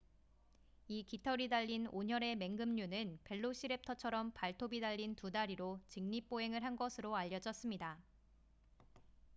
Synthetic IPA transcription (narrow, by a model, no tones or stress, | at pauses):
ikitʰʌɾidaʎːinoɲʌɾe̞me̞ŋɡɯmɲunɯnpe̞ɭːoɕ͈ʰiɾe̞p̚tʰʌt͡ɕʰʌɾʌmpaɭtʰobidaʎːintudaɾiɾot͡ɕɯŋɲip͈oe̞ŋɯɭɦanɡʌsʰɯɾoaʎːʌd͡ʑʌs͈ɯmɲida